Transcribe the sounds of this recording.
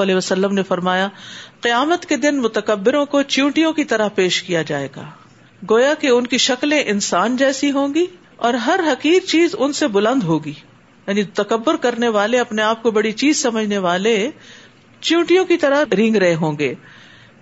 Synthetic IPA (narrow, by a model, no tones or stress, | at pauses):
ɐlɛɦʋɐsɐlːəmnefɐɾmaːjaqɪjaːmət̪ked̪ɪnmʊt̪əkɐbːɪɾõkot͡ʃjũːʈijõkit̪ɐɾəɦpeːʃkijad͡ʒaːḛːɡa̰ː | ɡoːjakeʊnkiʃɐklẽʔɪnsaːnd͡ʒɛːsiɦõːɡiː | ɔːɾɦɐɾɦɐqiːɾt͡ʃiːzʊnsebʊlə̃nd̪ɦoːɡiː | jaːnit̪ɐkɐbːʊɾkɐɾneʋaːleɐpneaːp̚kobɐɽit͡ʃiːzsɐməd͡ʒʱneʋaːle | t͡ʃjũːʈijõkit̪ɐɾəɦɾɪ̃ŋɡɾɐɦeɦõːŋɡeː